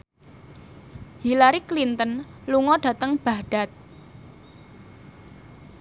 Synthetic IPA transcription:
hilaɾiklint̪ənluŋɔɖ̥ä̤t̪əŋb̥ahɖ̥a̤t̪̚

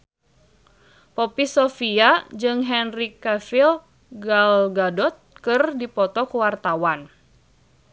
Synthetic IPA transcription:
pɔpisofiad͡ʒɨŋɦɛnrikɛfil | ɡalɡadɔt̪̚kɨrdipɔt̪ɔkuwart̪awan

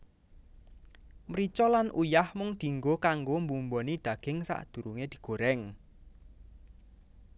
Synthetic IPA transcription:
mɾit͡ʃɔlanʔujahmʊŋd̪̥i̤ŋɡokaŋɡombumbɔnid̪̥ä̤ɡ̥ɪŋsa̰ʔd̪̥ṳɾuŋed̪̥i̤ɡ̥o̤ɾɛŋ

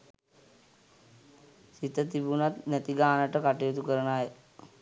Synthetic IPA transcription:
sit̪ət̪ibunat̪næt̪iɡaːnəʈəkaʈijot̪ukəɾənaj

